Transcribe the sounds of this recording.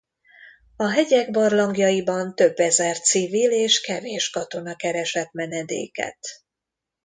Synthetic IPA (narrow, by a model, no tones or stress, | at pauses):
ɒɦɛɟɛɡbɒrlɒŋɡjɒjibɒnt̪ø̞bːɛzɛrt̪sivileːʃkɛveːʃkɒt̪o̞nɒkɛɾɛʃɛt̪mɛnɛd̪ḛːkɛ̰t̪